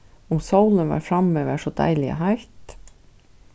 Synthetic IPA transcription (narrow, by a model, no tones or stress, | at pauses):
ʊmsaʊlənʋɑ̰ːɾfɾɑmøːʋəʂod̪æ̰ɪlɪə̰ɦæɪɾt̪